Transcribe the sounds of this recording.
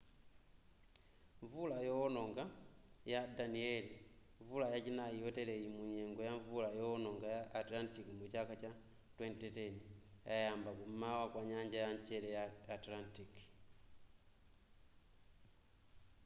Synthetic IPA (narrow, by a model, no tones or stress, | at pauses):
ɱvulajɔːnɔŋɡajadaniɛli | ɱvulajat͡ʃinajijɔtɛlɛimuɲɛŋɡɔjaɱvulajɔːnɔŋɡajaʔːtlantikimut͡ʃakat͡ʃa | twɛntɛtɛniajambakummawakwaɲaɲd͡ʒajaɲt͡ʃɛlɛjaːtlantiki̥